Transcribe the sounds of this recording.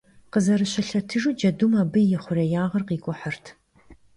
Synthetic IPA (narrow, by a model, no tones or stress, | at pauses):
qəzɐɾɨɕɐɬɐtʰɨʒud͡ʒɐdumaːbɨjɪχʷʊrɐjaːʁɐrqiːkʷʼʊħərtʰ